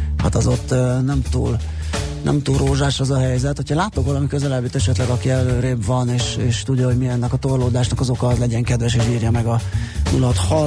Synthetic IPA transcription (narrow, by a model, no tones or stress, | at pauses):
ha̰t̪ɒzo̞t̪ːønɛmt̪ṵːl | nʔɛ̰mt̪uːlrʔoːʒaːʃɒzɒɦɛjzɛt̪hocʰɒlaːt̪okʋɒlɒmikø̞zɛlɛbit̪ɛʃɛt̪lɛɡɒkiɛløːɾeːbvɒneːʃeːʃt̪uɟːɒɦo̞ɟmiɛnːɛkɒt̪orloːd̪aːʃnɒkɒzo̞kɒɒzlɛɟɛŋkɛd̪vɛʃeːʃiːrjɒmɛɡɒnulɒt̪hɒ